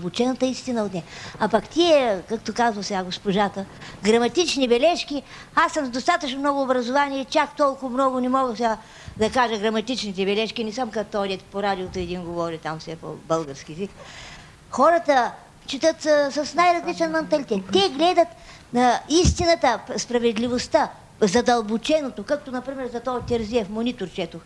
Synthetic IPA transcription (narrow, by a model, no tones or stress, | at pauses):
bʊt͡ʃɛnɐt̪əist̪inəot̪nɛɐpɐkt̪iɛkakt̪okazvɐsɛɡaɡospoʒat̪əɡɾɐmɐt̪it͡ʃnibɛlɛʃkʲi | asːəmzd̪ost̪at̪ət͡ʃnomnɔɡʊːbɾɐzovaniɛt͡ʃakt̪ɔlˠkʊvmnɔɡʊnɛmɔɡəsʲa | d̪ɐkaʒəɡɾɐmɐt̪it͡ʃnit̪ɛbɛlɛʃkʲinɛsəmkɐt̪ɔɔd̪ʲɛt̪poɾad̪iot̪oɛd̪inɡovɔɾit̪amfsɛpo̰bəlˠɡəɾskʲiɛzik | xɔɾət̪ə | t͡ʃit̪ət̪sɐsnajɾɐzlit͡ʃɛnmɐnt̪ɐlit̪ɛt̪ːɛɡlɛd̪ət̪ | nɐist̪inɐt̪əspɾɐvɛd̪lʲivost̪a | zɐd̪ɐlˠbot͡ʃɛnot̪okak̚t̪onɐpɾimɛɾzɐt̪ɔt̪ʲɛɾziɛfmonʲit̪oɾt͡ʃɛt̪ox